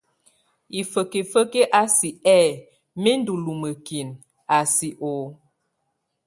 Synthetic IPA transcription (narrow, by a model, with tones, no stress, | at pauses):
i˨fə˨ke˨fə˦ke˦ʔa˦si˨ɛ˦˨ | me˦n˦du˨lu˨mə˨ki˨n | a˨si˨ʔo˨